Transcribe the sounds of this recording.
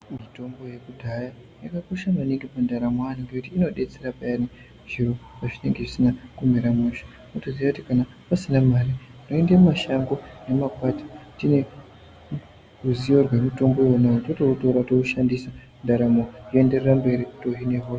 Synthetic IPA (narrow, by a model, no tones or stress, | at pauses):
mito̞mbo̞je̞kudʱaja | jakakoʃamaniŋɡipandaɾamoaniŋɡeutiːno̞ɗe̞t͡se̞ɾapajani | ʐiropaʐine̞ŋɡe̞ʐisinakumiɾamuʃḁ | notozijakuti̥kana | pasinamarinoendemmaʃaŋɡo̞ne̞makwatḁtine̞ | ruzijo̞rwemito̞mbo̞wonaototoutoɾatouʃandisa | ndaɾamojoe̞nde̞rerambe̞ɾitoɦine̞ɦos